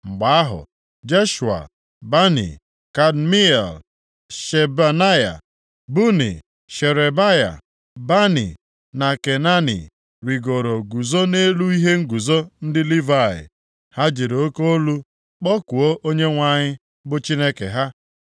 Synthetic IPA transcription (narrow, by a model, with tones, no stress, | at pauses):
ŋ͡m̩˨ɡ͡ba˨a˦ɦʊ̰˨ | d͡ʒe˦ʃu˨a̰˨ | ba˦nḭ˨ | ka˨dmi˦e˨l | ʃe˨ba˨na˦ja̰˨ | bu˦nḭ˨ | ʃe˨ɾe˨ba˦ja̰˨ | ba˦nḭ˨ | na˨ke˨na˦nḭ˨ | ɾi˨ɡo˨ɾo˨ɡu˨zo˦ne˦lu˦i˦ɦe˦ŋ̩˦ɡu˨zo˦n̩˦dɪ˦li˦va˦˨ɪ̰˨ | ha˦d͡ʒe˨ɾo˨˦ko˦o˦lu˦ | k͡pɔ˦ku˨o˦ʔo˦ɲe˦ŋʷa˨ɲɪ˦ | bʊ˦t͡ʃi˦ne˦kḛ˨ɦa˦